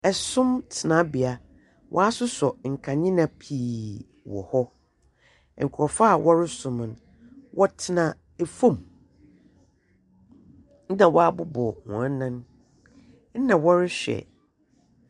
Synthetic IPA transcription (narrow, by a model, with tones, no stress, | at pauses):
ɛ˨sʊ̃˦mtʰɪ˨nã˨˦bɪ˨a˨ | wʔɔ̰˦a˦sʊ˦sɔ˨ŋ̩˨kʰa˨ɲɪ̃˦nã˨pʰiː˨ | wɔ̰˨hɔ˦˨ | ŋ̩˨kʰɔ˨fa˦˨wɔ˦ɾɪ˦sʊ̃˨m̃˨n | wʔɔ˦tʰɪ˦nã˨ | e˨fõ˦˨m˦ | nã˨wɔ˦a˦bʊ˦bɔ˨hɔ̰̃˨ã˦nã˦n | n̩˦nã˨wɔ˦ɾɪ˦ɕᶣɛ̰˨